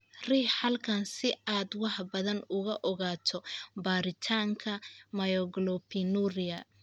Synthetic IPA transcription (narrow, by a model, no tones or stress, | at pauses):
riːhħɐlkʰɐnsɪaːd̪wɑħbɐðɐnʊɣɐʔɔɣaːt̪ʰɔbaːɾɪt̪ʰaːŋkʰɐmɐjɔɡlɔpʰinurɪjɐ